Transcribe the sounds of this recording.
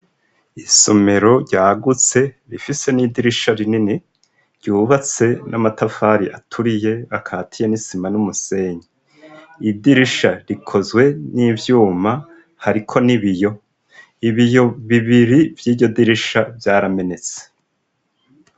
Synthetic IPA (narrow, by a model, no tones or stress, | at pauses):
isome̞ɾo̞ɾɟaːɡut͡se̞ | ɾifise̞niːdiɾiʃaɾinini | ɾɟuːβat͡se̞namatafaːɾiʔatʰuɾije̞akʰaːtʰije̞nisimanumuse̞ːɲi | idiɾiʃaɾikʰo̞zɡwe̞nivjuːma | haɾikʰo̞niβijo̞ | iβijo̞βiβiɾivjiːbɟo̞diɾiʃavjaːɾame̞ne̞t͡se̥